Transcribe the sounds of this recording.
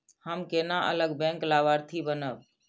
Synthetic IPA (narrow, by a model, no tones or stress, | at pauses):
həmkenaʔə̰ləɡbɛ̃ŋklabəɾt̪ʰibənəb